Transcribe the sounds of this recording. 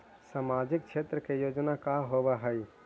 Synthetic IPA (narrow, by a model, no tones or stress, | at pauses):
samad͡ʒɪk̚t͡ʃʰet̪ɾəkejod͡ʒnakaɦobaɦəi